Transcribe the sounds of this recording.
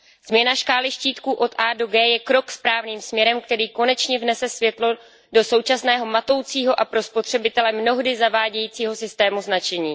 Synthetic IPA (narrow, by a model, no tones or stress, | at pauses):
z̥mɲɛnaʃkaːlɪʃciːt̪kuːʔo̞t̪ʔaːdoɡɛːjɛkɾo̞kspɾaːvniːmsmɲɛɾɛmkt̪ɛɾiːko̞nɛt͡ʃɲɛvnɛsɛsvjɛt̪lo̞ | do̞so̞wt͡ʃasnɛːɦo̞mat̪o̞wt͡siːɦo̞ʔapɾo̞spot̪r̝̥ɛbɪt̪ɛlɛmno̞ɦdɪzavaːɟɛjiːt͡siːɦo̞sɪst̪ɛːmuznat͡ʃɛɲiː